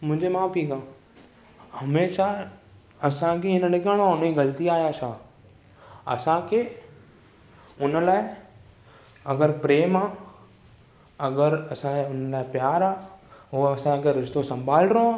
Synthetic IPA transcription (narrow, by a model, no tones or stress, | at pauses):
mʊ̃ɦɪ̃ɲd͡ʑemãːpʰiːkãː | hɐmeːʃa | ɐsãkʰeɪnənɪkəɽ̃oaʊniɡɐlt̪iaːjaʃaː | ɐ̰sãkʰeː | ʊnəlaːɪ | ɐɡəɾpɾeːmaː | ɐɡəɾɐsãeʊnəlaːɪpjaːɾaːɦʊːɐsãkʰeɾɪʃt̪osɐ̃mbʱaːlɾõaː